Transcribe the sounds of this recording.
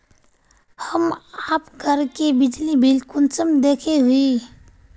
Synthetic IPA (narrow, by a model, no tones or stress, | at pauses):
həmaːpɡʱəɾkebɪd͡ʒlibʱɪlkʊnt͡ʃəmd̪eːkʰeɦʊi